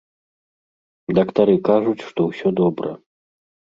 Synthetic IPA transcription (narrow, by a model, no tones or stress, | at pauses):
d̪ɐkt̪aɾɨkaʐut͡sʲʂt̪ɔwsʲɔd̪ɔbɾɐ̰